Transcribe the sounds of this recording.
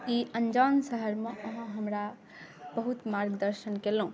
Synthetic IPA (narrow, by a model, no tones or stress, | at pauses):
iʔənd͡ʒansəɦəɾmeʔəɦə̃ɦəmɾa | bəɦut̪maɾɡd̪əɾʃənkelũ